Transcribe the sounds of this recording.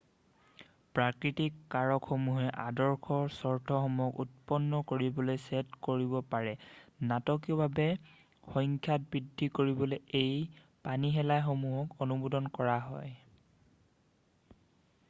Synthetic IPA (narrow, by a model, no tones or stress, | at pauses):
pɹakɹitikːaɹɔkxomuɦɛʔadɔɹkʰɔɹsɔɹtʰɔxɔmujɔkṵt̚pɔnːɔkoɹibɔlojsetkoɹibɔpaɹɛnatɔk̬ijɔbʱabɛ | xɔŋkʰjat̚bɹidʱːikoɹibɔlojej | paniɦɛlajxomuɦɔkonubudɔnkɔɹaɦɔj